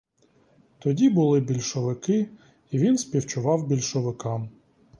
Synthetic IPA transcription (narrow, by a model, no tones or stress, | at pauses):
t̪ɔdʲibʊlˠɪbʲilʲʃɔʋɪkɪ | iʋʲinspʲiwt͡ʃʊʋɑwbʲilʲʃɔʋɪkɑm